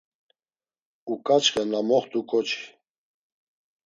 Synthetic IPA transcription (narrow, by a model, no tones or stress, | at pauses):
ukʼat͡ʃχɛnamɔχt̪ʼukʼɔt͡ʃʰi̥